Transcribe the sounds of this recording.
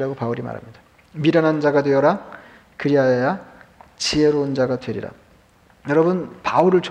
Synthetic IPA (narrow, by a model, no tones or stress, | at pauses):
ɾaɡopauɾima̰ɾa̰mɲid̥ḁ | miɾanɦand͡ʑaɡadweʌɾa | kɯɾiajʌjat͡ɕieɾoɯnd͡ʑaɡadwe̞ɾḭɾa̰ | jʌɾʌbɯnpauɾɯɭt͡ɕʰ